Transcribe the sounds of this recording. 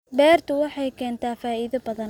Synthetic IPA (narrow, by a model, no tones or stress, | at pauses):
bɛːrt̪ʰʊwɑħɑjkʰɛːnt̪ʰaːfaːiːðɐbɐðɐn